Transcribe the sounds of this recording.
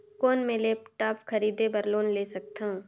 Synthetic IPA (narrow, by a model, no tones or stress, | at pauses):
koːnmẽleːpʈaːpkʰɐɾiːd̪ebɐɾloːnleːsɐk̚t̪ã